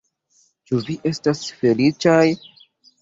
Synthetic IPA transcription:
t͡ʃuviʔe̞stasfe̞lit͡ʃaj

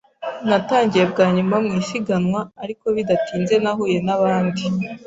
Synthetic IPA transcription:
nataːɲɟije̞bɡaːɲumamŋiːsiɡanwaːɾiko̞βidatiːnze̞naɦuːje̞naβaːndi

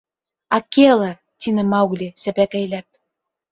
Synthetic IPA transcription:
ɑkelə̆ | t̪inə̆mɑuɣlʲesæpækə̆jlæp̚

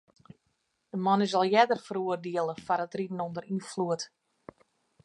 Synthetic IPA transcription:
d̥əmɔnəzɔlˠjɛdərfəruərdiəlˠəfaɾətridn̩ondəɾinfluət

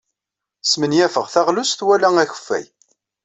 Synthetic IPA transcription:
smənjæfəʁθæʁlusθwælæŋæçə̥fːæ̰j

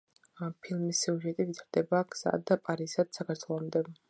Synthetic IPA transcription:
apʰilˠmisːiuʒɛt̪ʼivit̪ʰaɾd̪̥ɛbakʰsa̰d̪apʼaɾisad̪̥sakʰaɾt̪ʰwɛlˠɔmd̪ɛ

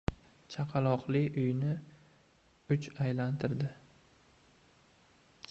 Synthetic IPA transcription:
t͡ʃʰaqʰɑlˠɒqlɪʊjnɪ | ʊt͡ʃajlant̪ʰɪɾd̪ɪ

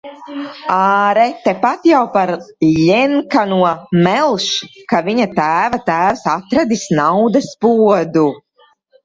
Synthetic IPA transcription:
aːɾɛt̪ːɛpat̪jawpaɾʎɛŋkanuɔmɛlˠʃkaviɲat̪æːvat̪æːvsat̪ɾad̪isnawd̪aspuɔd̪u

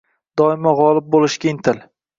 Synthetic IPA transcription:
d̪̥ɒɪmaʁɒlˠɪp̚bolɪʃkʲaɪnt̪ʰɪl

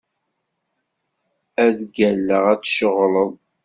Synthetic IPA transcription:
æðɡælːəʁæt͡sːʃəʁləðˤ

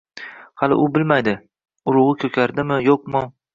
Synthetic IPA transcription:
halɪ̰ʔʊbɪlmajd̪ɪ | ʊɾʊʁɨkʲʰɵkʲʰaɾd̪ɪmɪjoq̚mɪ

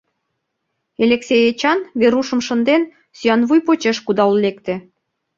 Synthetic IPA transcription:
elʲeksʲejet͡ɕɑnβeɾuʃə̆mʃə̆nd̪en | syɑnβujpot͡ɕeʃkud̪ɑullekt̪ĕ

